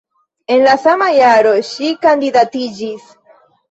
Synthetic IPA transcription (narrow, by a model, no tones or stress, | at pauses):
e̞nlasamajaɾo̞ʃikand̪idatid͡ʒis